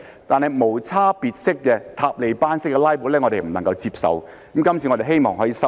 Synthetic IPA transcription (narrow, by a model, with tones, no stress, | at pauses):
t̪aː˨nhɐ˨jmo˨˩wt͡sʰaː˥piː˧t̚sɪ˥kːɛ˧t̪ʰaː˧p̚le˨jpaː˥nsɪ˥kːɛ˧laː˥jpu˨˥lɛː˥ŋɔ˨˧t̪e˨jm̩˨˩nɐ˨˩ŋkɐ˧wt͡si˧p̚sɐ̰˨w | kɐ˨˦mkɐ˥mt͡sʰiː˧ŋɔː˨˧t̪e˨˩ɦe˥jmɔː˨ŋhɦɔː˨˥jiː˧sɐ˥